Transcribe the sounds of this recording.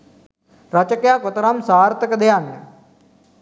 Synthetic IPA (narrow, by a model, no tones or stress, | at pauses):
ɾət͡ʃəkjaːkʊt̪ɾamsaːɾt̪əkd̪ejaːn